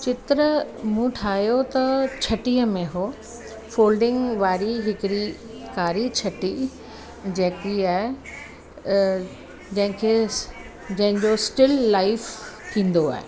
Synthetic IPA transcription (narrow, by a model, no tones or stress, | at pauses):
t͡ɕɪt̪ɾəmũʈʰaːɦjot̪ɐt͡ɕʰɐʈiːəmẽɦo | foːlɖɪ̃ŋɡʋaːɾiɦɪkɪɽi | kaːɾit͡ɕʰɐʈi | d͡ʑɐːkiaːɪ | d͡ʑɐ̃ɦɪ̃kʰe | d͡ʑɐ̃ɦɪ̃ɲd͡ʑosʈɪlːaːɪfkʰĩːn̆d̪oa̰ːɦḛ